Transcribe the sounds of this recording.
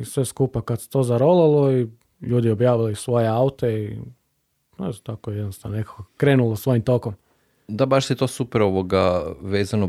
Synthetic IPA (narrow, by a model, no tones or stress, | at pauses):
isʋe̞skupakad̪se̥t̪oːzaɾolalˠoi | ʎuːd̪iobjaːʋilisʋo̞jeaut̪ei | et̪akojed̪nost̪anonekḁkokɾeːnulosʋo̞jimt̪o̞kom | d̪abaʃset̪oːsupeɾoʋoɡaʋeːzano